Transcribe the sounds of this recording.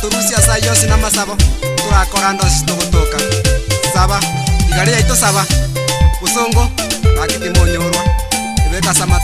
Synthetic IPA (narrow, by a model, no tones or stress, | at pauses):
toɾusiasajosinamasaβotoɾakoɾandos̬isitoɣotokasaβaiɣaɾejaitosaβa | βosoːŋɡoβakekemoɲoɾwa | oβekasama